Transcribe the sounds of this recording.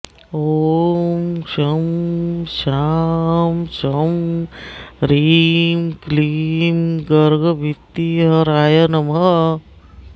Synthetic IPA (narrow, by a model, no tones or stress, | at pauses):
o | mʃɐmʃaːmʃɐm | ɾiːmklimɡəɾɡɐbʱit̪ːiɦɐɾaːjɐnɐmɦɐ